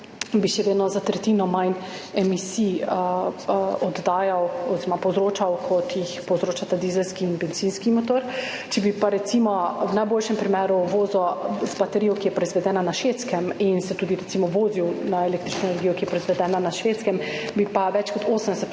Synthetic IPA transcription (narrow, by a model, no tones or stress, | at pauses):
biʃɛʋeːd̪nɔzat̪ɾɛt̪inɔmajnɛmisiə | ɔd̪ːaːjawɔziɾɔmapɔwzɾoːt͡ʃawkʰɔt̪jixpɔwzɾoːt͡ʃat̪ad̪iːzɛlskiːnbɛnzinskimot̪oɾ | t͡ʃɛbipaɾɛt̪simɔwnajboːlʃɛmpɾimɛːɾuʋoːzɔzbat̪ɛɾiːjɔkijɛpɾɔizʋɛd̪ɛːnanaʃʋeːt̪skɛminsɛt̪uːd̪iɾɛt̪simɔʋoːziwnaeleːkt̪ɾit͡ʃnɔenɛɾɡiːjɔkijɛpɾɔizʋɛd̪ɛːnanaʃʋeːt̪skɛmbipaʋɛt͡ʃkɔt̪ʰoːsəmd̪ɛsɛt̪